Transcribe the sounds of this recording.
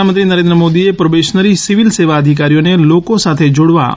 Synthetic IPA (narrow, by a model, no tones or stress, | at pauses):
amə̃nt̪ɾinəɾẽnd̪ɾəmod̪iepɾəʋeʃnəɾisiʋilseʋaəd̪ʱikaɾijonelokosat̪ʰed͡ʒoɽʋa̰